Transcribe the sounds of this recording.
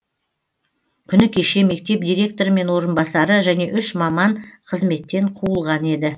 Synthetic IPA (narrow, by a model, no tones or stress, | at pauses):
kʲʰʏnɪkʲʰeʃe̞me̞k̚t̪e̞p̚d̪ijɾʲe̞k̚t̪o̞ɾme̞nwo̞ɾənbɑsɑɾəʒæne̞ʔʏʃmɑmɑɴqʰəzme̞t̪ːe̞ɴqʰuəlˠʁɑne̞d̪ɪ